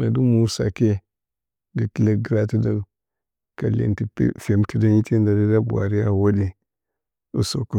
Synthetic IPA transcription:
na˨du˦mu˨sa̰˨ke˦ | ɡi˨ki˦la˨ɡɾa˦ti˦da˦n | ka˨lḛ˨ntḭ˨˦fe˨mti˦da˦ni˦tʰe˦nda˨di˦da˦bu˨a̰˨ɾi˦ja˦wo˦di˨ | u˨so˨ku˦˨

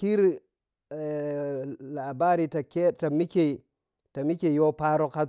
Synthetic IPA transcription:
ki˦ɾ | la˨ba˦ɾi˨ta˨ke˦ta˨mi˦ke˨ | ta˨mi˦ke˨jo˦pa˦ɾo˨ka˦

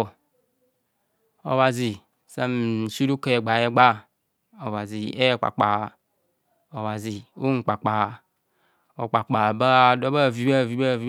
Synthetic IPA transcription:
ɔ̰˨wa˨zi˨ | sa˦m̩˨su˦ɾu˦ke˨ɛ˨ɡ͡ba˨jɛ˦ɡ͡ba˦˨ | ɔ˨va˨zi˨ɛ˦ɛ˦˨k͡pa̰˨k͡pa˨ | ɔ˨wa˨zi˨o˦ŋ̩˨k͡pa˨k͡pa˨ | ɔ˨k͡pa˨k͡pa˨ba˦˨dɔ˦ba˦˨vi˨ba˦˨vi˨ba˦˨vi˦

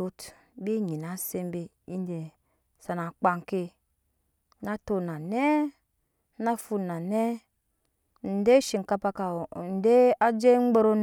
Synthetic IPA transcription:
o˦t | bi˦ɲi˨na˨˦se˦m˦be˨ | i˦n˦de˨ | sa˨na˨k͡pa˦ŋ˨ke˦ | na˦to˨na˨ne˦ | na˦fu˦na˨ne˦ | n̩˨de˦ʃi˨ŋ̩˨ka˦pa˦ka˨n˨de˦a˦d͡ʒe˦ŋ͡m̩˦ɡ͡be˦ɾo˦n

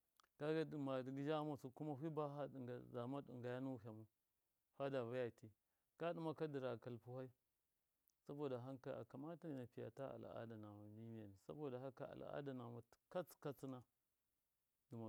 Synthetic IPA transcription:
ɡ̥a˦ɡa˦di˨ma˨di˨ɡi˦d͡ʒa˦ma˨su˨ku˦ma˦ɦi˦ba˦ɦa˦dŋɡa˨za˨ma˦ɗḭ˨ŋɡa˨ja˦nu˦ɦa˨mu˦ | ha˦da˨va˦ja˨ti˦ | ka˦di˦ma˦ka˦di˨ɾa˨ka˨lpu˦ha˦i˦ | sa˦bo˨da˨ɦa˦ŋka˦a̰˨ka˨ma˦ta˦˨na˨pi˨ja̰˨ta˦a̰˨la̰˦da˨na˨ma˨di˦ni˦ja˨ni˨sa̰˦bo˨da˨ɦa˦ka̰˦˨a̰˨la̰˦da˨na˨mḁ˨˦ka˦t͡ska˦t͡si˦na˦ | du˨ma˨

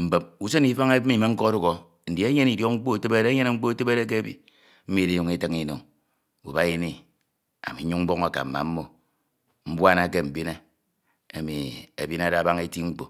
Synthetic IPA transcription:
m̩˨be˨p̚u˦se˦ni˦fa˦ŋe˦mi˦˨me˦ŋ̩˦ko˦ɾu˦ɣo˨ | n̩˨di˨˦e˦ɲe˦ni˨djo˦kŋ͡m̩˦k͡po˦˨te˦be˦ɾe˦ɲe˦ne˦ŋ͡m̩˦k͡po˦te˦be˦ɾe˦k̬e˦bḭ˨ | m̩˦mi˨de˦ju˦ŋe˦te˦ŋi˦no˨ŋ | ṵ˨ba˦ji˦ni˦ | a̰˨mi˨˦u˦ŋm̩˦bo˦ŋa˨ka̰˨m̩˨ma̰˨m̩˦mo˦ | m̩˦bʷa˦na˦˨k̬e˦m̩˨bi˦ne˦ | e˨mḭ˨ḛ˨bi˦na˦da˦ba˦ŋe˦ti˦ŋ͡m̩˦k͡po˨

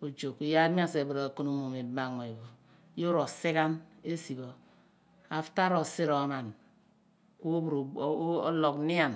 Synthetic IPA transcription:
o˨d͡ʒo˨ki˨ja˦mi˦a˦se˨bu˨ɾa˨ko˦no˦mo˨me˨bma˨ŋo˨i˨bo˨˦ | jo˦ɾo˨si˦ka˦ne˦si˨bo˨ | a˨fta˦ɾo˨si˦ɾo˨ma˨n | ku˦bɾo̰˦lo˨kni˦a˨n

